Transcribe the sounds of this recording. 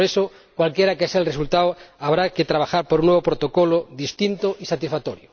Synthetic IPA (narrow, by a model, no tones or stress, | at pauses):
ɾeso | kwalkjeɾakeaseaelresult̪awaβɾaket̪ɾaβ̞axaɾpoɾunːweβopɾot̪okoloðist̪int̪oʔisat̪isfat̪oɾjo